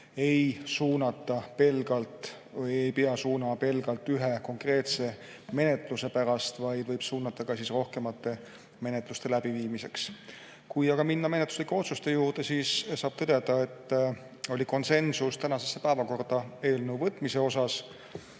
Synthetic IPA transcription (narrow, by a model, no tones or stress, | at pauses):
e̞jsuːnɑt̪ːˑɑpelɡɑlt̪ | ejpeɑsuːnɑpe̞lɡ̥ɑlt̪ːˑyɦe̞ko̞ŋkre̞ːt̪se̞ | me̞ne̞t̪ˑluse̞pæɾɑst̪vɑjd̪̥vɤjb̥suːnːɑt̪ːɑkɑsisro̞hke̞mɑt̪ːe̞ | me̞net̪ˑlust̪e̞læb̥iviːmise̞̰ks | kujɑɡ̥ɑminːɑme̞net̪ːˑu̥slikːˑe̞o̞t̪sust̪e̞juːrd̪̥esiːssɑːb̥̚t̪ɤd̪̥e̞d̪̥ɑe̞t̪ː | o̞lʲiko̞nse̞nsust̪ænɑse̞sːe̥pæːvɑko̞rd̪̥ɑe̞ːlnewvɤt̪ːˑmise̞o̞s̬ɑs